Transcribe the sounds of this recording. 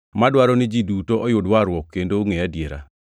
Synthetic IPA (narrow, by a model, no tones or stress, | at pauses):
madwaɾɔnɪd͡ʒidutoʔɔjodwaɾwɔkːendoŋeadjeɾa̰